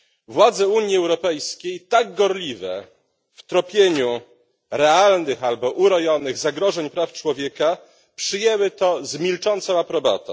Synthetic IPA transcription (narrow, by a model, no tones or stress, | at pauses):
vwad̪zɛuɲjiɛwɾɔpɛjskʲejt̪aɡɡɔɾlʲivɛ̰ | ft̪ɾɔpʲjeɲu | ɾɛalnɘxalbɔʔuɾɔjɔnɘɣzaɡɾɔʐɛɲpɾaft͡ʂwɔvʲjeka | pʂɘjɛwɘt̪ɔzmʲilt͡ʂɔnt̪sɔ̃w̃apɾɔbɔ̰t̪ɔ̰̃w̃